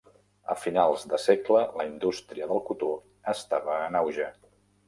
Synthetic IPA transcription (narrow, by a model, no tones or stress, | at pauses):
ə̰finalˠzðəseklələind̪ust̪ɾiəðəlˠkut̪o | əst̪aβəːnawʒə